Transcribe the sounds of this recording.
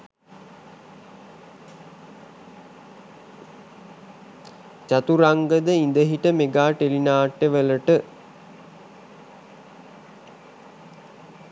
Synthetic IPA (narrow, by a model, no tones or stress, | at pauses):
t͡ʃat̪uɾaŋɡəd̪əind̪əɦiʈəmeɡaːʈelinaːʈːəʋələʈə